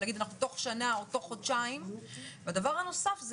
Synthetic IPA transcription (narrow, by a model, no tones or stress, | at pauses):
aɡid̪anaχnut̪o̞χʃanaot̪o̞χod̪ʃaimvead̪avaʁhano̞safz